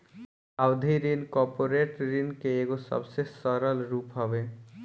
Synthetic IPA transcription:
awd̪ʱiɾinkɔɾpoɾeʈɾinkeeɡosʌ̰bsesɔɾəlɾupɦɔbe

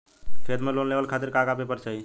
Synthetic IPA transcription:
pʰed̪melonleʋəlkʰat̪iɾkakapepəɾt͡ʃaɦi

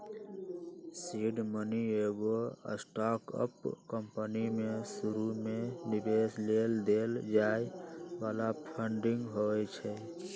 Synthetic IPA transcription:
siɖmənieɡoə̰sʈakə̰pkəmpənimesuɾumẽnibesleld̪eːld͡ʒaeʋaːlapʰəɳɖɪ̃ŋɡɦoɛt͡ʃʰɛ

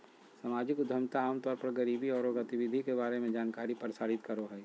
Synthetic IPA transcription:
samaːd͡ʒɪkʊd̪ʱəmt̪aaːmt̪ɔːɾpɐɾɡəɾiːbiɔːɾoɾət̪ɪʋɪd̪ʱikebaːɾemẽd͡ʒaːnkaːɾipəɾsaːɾɪt̪kɐɾoɦɛː

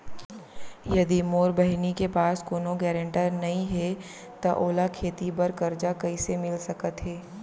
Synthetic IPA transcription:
jɐd̪imoːɾbɐɦnikepaːskoːnoɡɛːɾə̃ɳʈəɾnɐɦĩɦɛ | t̪ɐʔoːlakʰeːt̪ibɐɾkɐɾd͡ʒakɐisemɪlsɐkət̪ɦɛː

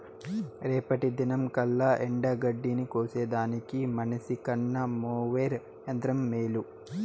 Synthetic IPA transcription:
ɾeːpɐʈid̪inɐmkɐlːɐʔeɳɖɐɡɐɖːinikoːseːd̪aːnikimɐnɐsikɐɳːɐmoːʋeːɾ | ɐnd̪ɾɐmːeːlu

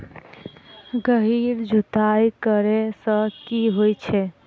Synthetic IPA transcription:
ɡəɦiɾd͡ʒʱut̪ajkəɾesə̃kiɦojt͡ʃʰɛ

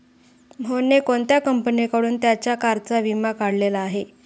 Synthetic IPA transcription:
m̤ʱonekoɳt̪jakəmpənikəɽuːnt̪jat͡ɕjakaɾt͡saʋimakaɽlelaːɦe

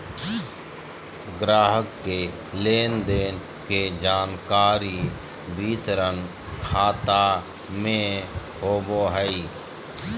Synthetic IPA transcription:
ɡɾaːɦəkːeː | leːnd̪eːn | keːd͡ʒaːnkaːɾiː | bʱiːt̪ɾən | kʰaːt̪aː | mẽ | ɦoːboːɦəiː

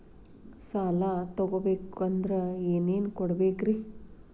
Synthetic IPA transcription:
saːlat̪ɔɡobeːkɐnd̪ɾɐeːneːnkɔɽbeːkɾi

